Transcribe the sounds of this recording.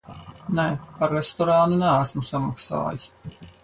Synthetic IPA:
nɛpaɾːɛst̪ɔɾaːnunææsmusamaksa̰ːjis

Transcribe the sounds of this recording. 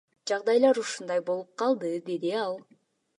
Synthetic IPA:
d͡ʒɑʁd̪ɑjlˠɑɾuʃund̪ɑjbo̞lˠup̚qʰɑlˠd̪ɯd̪e̞d̪iɑlˠ

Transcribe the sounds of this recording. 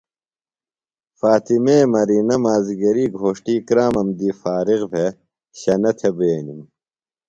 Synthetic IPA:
faːt̪imeːmɐɾiːnɐmaːziɡɐɾiːɡʱoːʂʈiːkɾaːmɐmd̪iːfaːɾiɣbʱe | ɕɐnɐt̪ʰebeːnim

